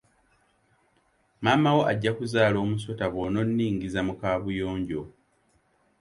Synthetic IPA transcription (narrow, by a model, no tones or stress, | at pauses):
mamawo̞ʔaɟːakuzaːlo̞ːmus̬o̞taβo̞no̞nːiːŋɡizamukaːβujo̞ːɲɟo̞